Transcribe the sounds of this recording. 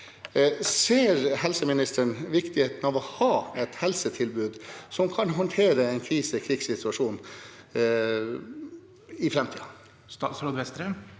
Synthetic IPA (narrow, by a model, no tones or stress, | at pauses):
seːɾhɛlsəmɪnɪst̪əɳʋɪkt̪ɪheːt̪n̩ɑʋɔhɑːɛt̪hɛlsət̪ʰɪlbʉːd̪sɔmkʰɑnɦɔnt̪ʰeːɾəɛɪnkʰɾiːsəkʰɾɪɡssɪt̪ʰʉɑʂuːn | ɪfɾɛmt̪ʰḭːɑ | sɾɔd̪ʋɛst̪ɾəm